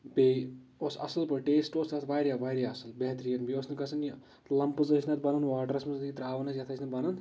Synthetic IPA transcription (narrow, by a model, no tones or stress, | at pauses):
beosɐ̰sɐlpɐɾʈeːsʈoːsɐt̪ʰʋaːɾjaʋaːjɾjaɐsɐlbeɦt̪ɾijɐnbioːsnɐkɐsʰɐn | lɐmpɨzət͡ʃʰnɐt̪̚bɐnɐnʋaːʈɐɾɐsmɐzt̪kit̪ɾaːʋɐnɐsʰjɐt̪ʰɐːt͡ʃʲʰnɐt̪bɐnɐn